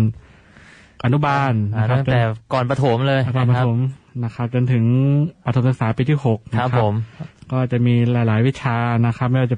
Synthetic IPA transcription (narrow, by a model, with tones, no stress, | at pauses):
n | ʔa˧nu˦˥baː˧nːa˦˥˩a˥˩ŋt͡ɕt̪ɛː˨˩kɔː˨˩npa˧t̪ʰo˩˦mlɤː˧jkɔː˨˩npa˧t̪ʰo˩˦mna˦˥kʰa˦˥p̚t͡ɕo˧nt̪ʰɯ˩˦ŋpa˧t̪ʰo˩˦msɯ˨˩ksaː˩˦piː˧t̪ʰiː˥˩ho˨˩k̚na˥a˦˥pkʰːo˩˦mkɔː˥˩˨t͡ɕa˨˩miː˧laː˩˦jlaː˩˦jwi˦˥t̪̚t͡ɕʰaː˧na˦˥kʰa˦˥p̚mɛ˥˩jwa˧t͡ɕa˨˩